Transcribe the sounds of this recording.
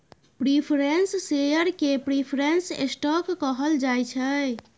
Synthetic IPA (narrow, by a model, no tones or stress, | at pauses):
pɾipʰɾenssejəɾkepɾipʰɾensḛsʈɔkːəɦəld͡ʒajt͡ʃʰə